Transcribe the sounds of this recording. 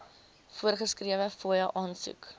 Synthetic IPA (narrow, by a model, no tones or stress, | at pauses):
fuərχəskriəvəfuəjəʔɑːnsṵk